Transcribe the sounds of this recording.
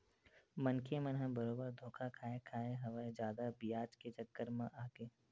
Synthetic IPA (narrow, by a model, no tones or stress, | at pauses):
mɐnkʰemɐnɦãbəɾoːbəɾd̪ʱoːkʰakʰaːekʰaːeɦɐʋəd͡ʒjaːd̪abijaːd͡ʒket͡ʃɐkːəɾmãʔaːkeː